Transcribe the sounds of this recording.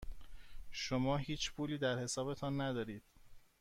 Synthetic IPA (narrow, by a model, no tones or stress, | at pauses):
ʃomɒːɦiːt͡ʃʰpʰuːliːd̪æɾhe̞sɒːbe̞t̪ʰɒːnːæd̪ɒːɾiːd̪̥